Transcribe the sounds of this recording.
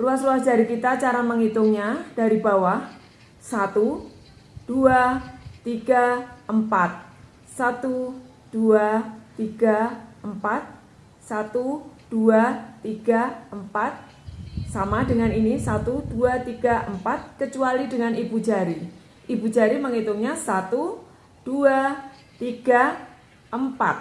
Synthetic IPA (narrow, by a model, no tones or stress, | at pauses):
luasluasdd͡ʒaɾikit̪at͡ʃaɾaməŋit̪uŋɲad̥aɾibawah | sat̪u | d̥uat̪iɡaəmpat̪̚ | sat̪u | d̥uat̪iɡ̥aəmpat̪̚ | sat̪ud̥uat̪iɡ̥aəmpat̪̚ | samadəŋaninisat̪ud̥uat̪iɡ̥aʔəmpat̪̚kət͡ʃualidəŋanibud͡ʒaɾi | ʔibud͡ʒaɾiməŋit̪uŋɲasat̪u | d̥ua | t̪iɡ̥a | ʔəmpa̰t̪̚